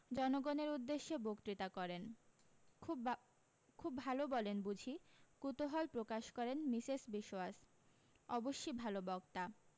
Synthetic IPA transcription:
d͡ʑɔnoɡɔneɾud̪ːeʃːebokt̪ɾit̪akɔɾenʰ | kʰubːʱalobɔlenbud͡ʑʱikut̪oɦɔlpɾokaʃkɔɾenmisesbiʃoas | ɔboʃːojbʱalobɔkt̪a

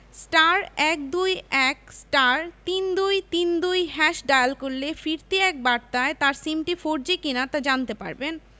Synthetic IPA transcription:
sʈaɾɛk̚d̪ujɛk̚sʈaɾt̪ind̪ujt̪ind̪ujɦɛʃɖajalkoɾlefiɾt̪iɛk̚baɾt̪aet̪aɾsimʈifoɾd͡ʑikinat̪ad͡ʑant̪epa̰ɾben

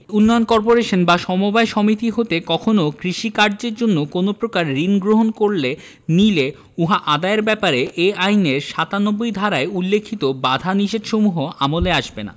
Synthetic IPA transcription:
unːɔjonkɔɾpoɾeʃonbaʃɔmobaeʃɔmit̪iɦot̪ekɔkʰonokɾiʃikaɾd͡ʑeɾd͡ʑonːokonopɾokaɾɾinɡɾoɦonkoɾle | nile | uɦaʔad̪aeɾbɛpaɾeʔeajneɾʃat̪anobːojd̪ʱaɾaeulːekʰːit̪obad̪ʱaniʃed̪ʃomuɦoʔamoleaʃbena̰

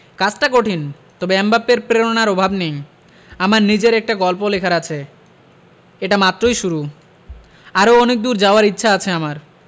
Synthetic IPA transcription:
kat͡ɕʈakoʈʰin | t̪ɔbeɛmbapːeɾpɾeɾonaɾɔbʱabnej | amaɾnid͡ʑeɾɛk̚ʈaɡɔlpolekʰaɾat͡ɕʰe | eʈamat̪ːɾojʃuɾu | aɾoɔnek̚d̪uɾd͡ʑaoaɾitːɕʰaat͡ɕʰeamaɾ

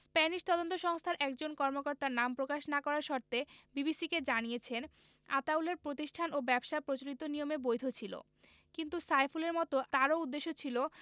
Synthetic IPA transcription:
spɛniʃt̪ɔd̪ont̪oʃɔŋst̪ʰaɾʔɛkd͡ʑonkɔɾmokɔɾt̪aɾnampɾokaʃnakɔɾaɾʃɔɾt̪ebibisiked͡ʑanijet͡ɕʰen | a̰t̪auleɾpɾot̪̬iʃʈʰanobɛbʃapɾot͡ɕoɽit̪onijomebojd̪ʱot͡ɕʰilo̰ | kint̪usajfuleɾmɔt̪ot̪aɾoud̪ːeʃːot͡ɕʰilo

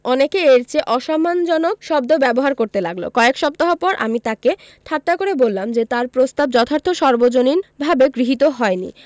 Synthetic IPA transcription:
ɔnekeeɾt͡ɕʰeʔɔʃɔmːand͡ʑɔnokʃɔbd̪obɛboɦaɾkoɾt̪elaɡlo̰kɔekʃɔb̚t̪aɦopɔɾʔa̰mit̪ake | ʈʰat̪ːakoɾebolːamd͡ʑet̪aɾpɾost̪ab̚d͡ʑɔt̪ʰaɾt̪ʰoʃɔɾbod͡ʑoniɾbʱabeɡɾiɦit̪oɦɔenḭ

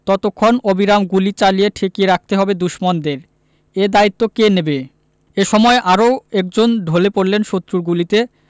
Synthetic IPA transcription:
t̪ɔt̪okʰːonobiɾamɡulit͡ɕalijeʈʰekieɾak̚ʰt̪eɦɔbed̪uʃmond̪eɾ | ed̪ait̪ːokenebe | eʃɔmɔeʔaɾoɛk̚d͡ʑonɖ̪ʱolepoɾlenʃot̪ːɾuɾɡulit̪e

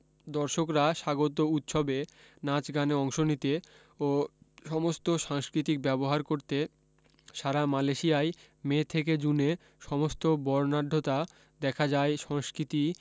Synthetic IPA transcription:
d̪ɔɾʃokɾaʃaɡot̪̬out̪ʃobe | nat͡ɕɡaneɔŋʃonit̪e | oʃɔmost̪oʃaŋskɾit̪ik̚bɛboɦaɾkoɾt̪e | ʃaɾamaleʃijae | met̪ʰeked͡ʑune | ʃɔmost̪obɔɾnaɖ̪ʱːot̪a | d̪ɛkʰad͡ʑaeʃɔŋskɾit̪i

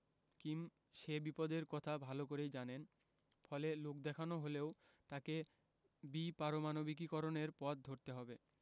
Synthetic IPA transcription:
kim | ʃebipɔd̪eɾkɔt̪ʰabʱalokoɾejd͡ʑanen | fɔlelok̚d̪ɛkʰanoɦoleo | t̪ake | bipaɾomanobik̬ikɔɾoneɾpɔt̪̚d̪ʱoɾt̪eɦɔbe

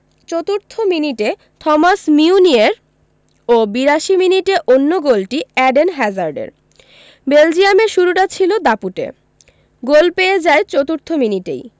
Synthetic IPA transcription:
t͡ɕot̪uɾt̪ʰominiʈe | t̪ʰɔmasmiunieɾ | obiɾaʃiminiʈeʔonːoɡolʈiɛɖenɦɛd͡ʑaɾɖḛɾ | beld͡ʑijameɾʃuɾuʈat͡ɕʰilod̪apuʈḛ | ɡolpeed͡ʑaet͡ɕot̪uɾt̪ʰominiʈḛj

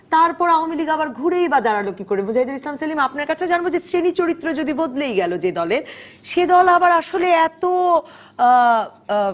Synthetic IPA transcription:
t̪aɾpɔɾaoamiliɡabaɾɡʱuɾejbad̪aɾalokikoɾebod͡ʑaid̪uɾislamsalimapnaɾkat͡ɕʰed͡ʑanbod͡ʑesɾenit͡ɕoɾit̪ːɾod͡ʑod̪ibod̪lejɡɛlod͡ʑed̪ɔleɾ | ʃed̪ɔlabaɾaʃoleɛt̪o

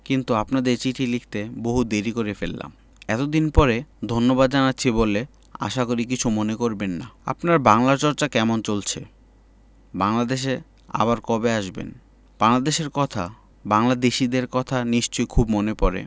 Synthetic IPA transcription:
kint̪uapnad̪eɾt͡ɕiʈʰilikʰt̪eboɦud̪eɾikoɾefelːa̰m | ɛt̪od̪inpɔɾed̪ʱonːobad̪d͡ʑanatːɕʰibole | a̰ʃakoɾik̬it͡ɕʰumonekoɾbenːa̰a̰pnaɾbaŋlaɾt͡ɕɔɾt͡ɕakɛmont͡ɕolt͡ɕʰḛ | baŋlad̪eʃ̬e | a̰baɾkɔbeaʃbḛn | b̥aŋlad̪eʃeɾkɔt̪ʰa̰ | baŋlad̪eʃid̪eɾkɔt̪ʰaniʃt͡ɕojkʰubmonepɔɾḛ

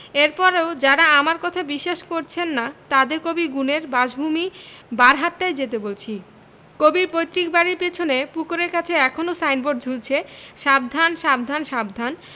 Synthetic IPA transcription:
eɾpɔɾeod͡ʑaɾaamaɾkɔt̪ʰabiʃːaʃkoɾt͡ɕʰenːat̪ad̪eɾkobiɡuneɾbad͡ʑbʱumibaɾɦatʈajd͡ʑet̪ebolt͡ɕʰi | kobiɾpojt̪ːɾikbaɾiɾpet͡ɕʰonepukoɾeɾkat͡ɕʰeɛkʰonosajnboɖ̚d͡ʑʱult͡ɕʰeʃab̚d̪ʱanʃab̚d̪ʱanʃabd̪ʱan

